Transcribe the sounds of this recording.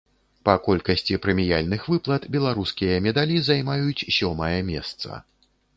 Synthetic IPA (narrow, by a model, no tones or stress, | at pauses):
pɐkɔlʲkɐsʲt͡sʲipɾɛmʲijalʲnɨxvɨplˠɐt̪bʲɛlˠaɾuskʲijɐmʲɛd̪alʲizajmajut͡sʲsʲɔmɐjɐmʲɛst̪sɐ̰